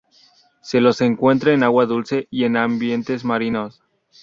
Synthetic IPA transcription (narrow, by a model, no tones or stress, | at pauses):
se̞lo̞se̞ŋkwe̞nt̪ɾaenaɣwaðulse̞ie̞nambje̞nt̪e̞zmaɾino̞s